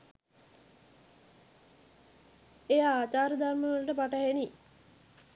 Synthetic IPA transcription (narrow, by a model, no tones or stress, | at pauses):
ejaaːt͡ʃaːɾəd̪ʱarməʋələʈəpaʈəɦeni